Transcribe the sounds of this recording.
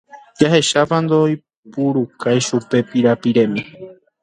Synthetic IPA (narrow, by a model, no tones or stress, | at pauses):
d͡ʒaɦe̞ʃapand̪oj | puɾukʰajʃupe̞piɾapiɾẽ̞mĩ